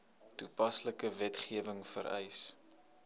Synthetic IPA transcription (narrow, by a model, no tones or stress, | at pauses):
tupɐsləkəvɛtχiəvəŋfə̰ɾɛ̰js